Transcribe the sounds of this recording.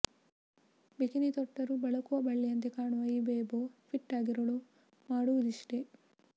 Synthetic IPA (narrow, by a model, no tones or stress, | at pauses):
bekinit̪ɔʈːɐɾubɐɭɐkuʋɐbɐɭːijɐnt̪ekaːɳuʋɐjibeːboːpʰiʈːaːɡiɾɐɭu | maːɽuʋud̪iʂʈe